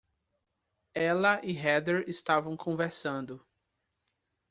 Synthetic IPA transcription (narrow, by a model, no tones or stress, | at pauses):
ɛlɐʔɪɦɛd̪eɾɪst̪avɐ̃w̃kʰõveɾsɐ̃nd̪ʊ